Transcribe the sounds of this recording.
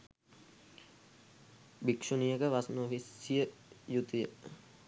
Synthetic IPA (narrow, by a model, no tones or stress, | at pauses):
bikʂunijəkəʋasnəofisijəjut̪ijə̰